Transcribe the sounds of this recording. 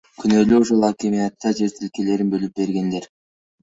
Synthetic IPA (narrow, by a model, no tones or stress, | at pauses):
kʰynølyuʃolˠakʲemijat̪ːɑd͡ʒe̞ɾt̪ilkele̞ɾinbø̞lyp̚be̞ɾɡe̞nd̪e̞ɾ